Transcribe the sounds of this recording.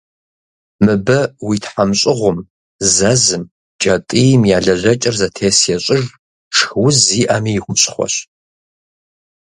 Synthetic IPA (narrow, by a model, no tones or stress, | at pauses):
mɨbɐwitʰħamɕʼɪʁʷʊm | zɐzɨm | t͡ʃʼɐtʼijmjaːɮɐʑɐt͡ʃʼɪrzɐtʰeːsjɛɕʼɪʒ | ʈ͡ʂʰxwʊziːʔamijɪxʷʊɕʼχʷɔ̰ɕ